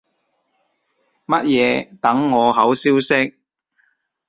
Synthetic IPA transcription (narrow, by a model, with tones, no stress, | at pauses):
mɐ˥t̚jɛː˨˧t̪ɐ˨˥ŋːɔː˨˧ɦɐ˨˥wsiː˥wsɪ˥k̚